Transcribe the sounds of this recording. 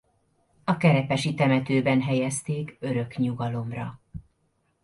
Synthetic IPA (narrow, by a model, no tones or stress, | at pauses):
ɒkɛɾɛpɛʃit̪ɛmɛt̪øːbɛnɦɛjɛst̪eːkø̞ɾø̞kɲuɡɒlo̞mrɒ̰